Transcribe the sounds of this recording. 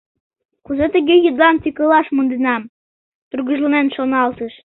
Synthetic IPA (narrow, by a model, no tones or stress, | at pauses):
kuzɤ̆t̪ɘ̆ɡʲejɤ̆d̪lˠɑnt̪ʲikɤ̆lˠɑʃmɤ̆nd̪ɤ̆nɑm | t̪urɣɤ̆ʒlˠɤ̆menʃonɑlˠt̪ɤʃ